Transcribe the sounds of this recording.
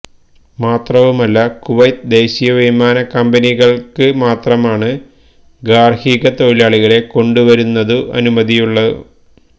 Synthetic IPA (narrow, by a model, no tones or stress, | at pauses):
maːt̪rɐʋumɐlːɐkuʋɐjt̪d̪e̞ːɕijɐʋimaːnɐkɐmbɐniɣɐɭkɨmaːt̪rɐmaːɳɨ | ɡaːrhiːɣɐt̪o̞jilaːɭiɣɐɭe̞ko̞ɳɖuʋɐɾunːɐðɨʔɐ̰numɐðijuɭːɐɨ̰